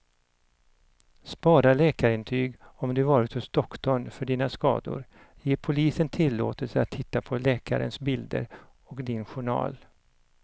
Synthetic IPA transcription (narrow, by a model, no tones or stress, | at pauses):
spɑːɾaɭɛːkaɾɪnt̪ʰyːɡɔmd̪ɵvɑːɾɪt̪hʊsd̪̥ɔkːt̪ɔɳfœɖiːnaskɑ̰ːd̪ʊ̰ɾ | jeːpʰʊliːsənt̪ʰɪlːo̰ːt̪əlsəat̪ʰːɪt̪ːapʰɔlɛːka̰ɾə̰nsbɪld̪ə̰ɾ | ɔkd̪ɪnɧʊɳɑ̰ːl